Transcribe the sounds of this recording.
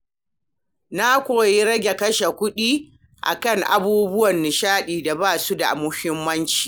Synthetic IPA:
na˦kʷoː˨ji˦ɽɐ˦ɡʲe˨kɐ˦ʃe˨kʷʊ˦ɗiː˦ | ʔa̰˨kɐ˦˨ŋʔa̰˨buː˦bʊ˦wɐ˨nːɪ˨ʃaː˦ɗiː˨da˨baː˦˨su˦da̰˨mʊ˦hɪ˦mːɐ˦nt͡ʃi̥ː˨

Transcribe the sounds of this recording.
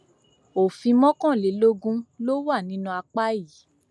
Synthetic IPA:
o˨fĩ˧mɔ̃˦kɔ̃˦˨le˨lo˦ɡũ˦˧lo˦wa˦˨nĩ˨˦nũ˧a˧k͡pa˦i˦˨˦

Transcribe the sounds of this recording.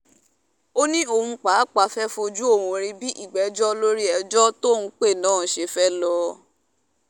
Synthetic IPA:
o˦nĩ˦o˧hũ˧k͡pa˨˦k͡pa˨˦fɛ˦fo˧d͡ʒu˦o˦˨wõ˨˧˨ɾĩ˧bi˦ʔi˦˨ɡ͡bɛ˨d͡ʒɔ˦lo˦ɾi˦ɛ˧d͡ʒɔ˦to˦˨nũ˧k͡pe˦˨nãː˨˦˨ʃe˧fɛ˦lɔ˧

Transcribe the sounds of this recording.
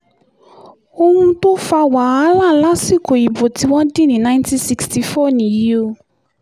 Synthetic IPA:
o˧hũ˧to˦fa˧wa˨a˦la˦˨la˦si˦˨ko˨i˨bo˨ti˨˦wɔ̃˦dĩ˦˨nĩ˨˦˨nã˦ĩ˦ntĩ˦si˧ksti˨fɔ˦˨nĩ˨ji˨˦o˧

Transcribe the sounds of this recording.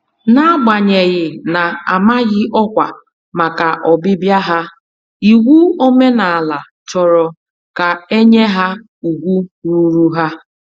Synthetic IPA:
na˦ɡ͡ba˨ɲe˨ɣɪ˨na˨a˨ma˦ɣɪ˦ʔɔ˦kʷa˨ | ma˨ka˨ʔɔ˨bɪ˦bja˦ɦa˦ | i˨wu˦o˦me˦na˨a˨la˨ | t͡ʃɔ˨ɾɔ˨ | ka˨e˦ɲe˦ɦa˦ | u˨ɡʷu˦ɾu˦ɾu˦ɦa˦

